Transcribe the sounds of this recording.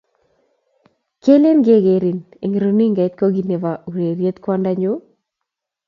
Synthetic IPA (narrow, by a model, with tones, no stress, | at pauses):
ke˦le˦nɡe˦˨ɡe˨ɾi˨nḛ˨ŋ˨ɾo˨ni˦ŋɡa˨˦t̪̚ko˦ɡi˨ne˨va˨u˨ɾe˨ɾje˦t̪kwa˦nda˦ɲo˦